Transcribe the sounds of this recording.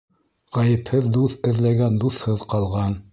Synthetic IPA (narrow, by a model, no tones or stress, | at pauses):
ʁɑjɘ̆phɘðd̪uθɘ̆ðlæɡænd̪uθhɤðqɑlˠʁɑn